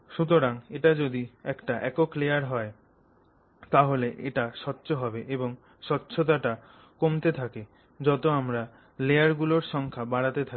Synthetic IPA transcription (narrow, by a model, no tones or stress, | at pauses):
ʃut̪̬oɾaŋeʈad͡ʑod̪iɛkʈaʔɛ̰koklejaɾɦɔe | t̪aɦoleʔḛʈaʃɔtːɕoɦɔbeʔeboŋ | ʃɔtːɕʰot̪̬aʈa | komt̪et̪ʰake | d͡ʑɔt̪oamɾa | lejaɾɡuloɾʃɔŋkʰabaɽat̪et̪ʰa